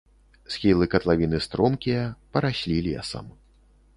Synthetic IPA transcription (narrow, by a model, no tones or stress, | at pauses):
sxʲilˠɨkɐt̪lˠavʲinɨst̪ɾɔmkʲijɐpɐɾaɕʲlʲilʲija̰sa̰m